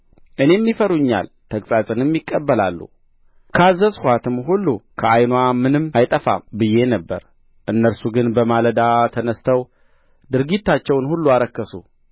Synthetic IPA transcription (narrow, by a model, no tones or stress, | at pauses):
ʔɨne̞mːifəɾuɲːa̰l | t̪ʰəkʼsʼat͡sʼɨnɛmːikʼːəbːəla̰lːṵ | kʰəazːəshʷwat̪ʰɨmɦulːukʰəajnwamɨnɨmajt̪ʼəfa̰mbɨjːe̞nəbːə̰ɾ | ʔɨnːəɾsuɡɨnbəmaləd̪at̪ʰənəst̪ʰəw | d̪ɨɾɡit̪ːat͡ʃːɛwnhulːuaɾəkːəsṵ